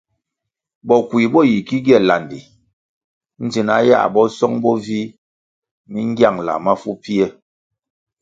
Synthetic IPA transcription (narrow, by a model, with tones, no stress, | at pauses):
bɔ˨kwi˨bɔ˦˨ji˨ki˦ɡjɛ˦˨la˨ndi˨ | n̩˦d͡ʒi˨na̰˨˦ja̰˦˨bɔ˦sɔ˦ŋbɔ˦vi˦ | mi˦ŋ̩˦ɡja˦˨ŋla̰˨ma˦fu˦pi˦ɛ˦˨